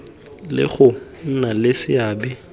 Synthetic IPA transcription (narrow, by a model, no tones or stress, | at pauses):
lɪ̰ɣʊn̩nalɪsɪaːbɪ